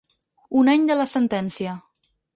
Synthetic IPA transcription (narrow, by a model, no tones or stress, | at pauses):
unaɲd̪ələsənt̪ɛnsiə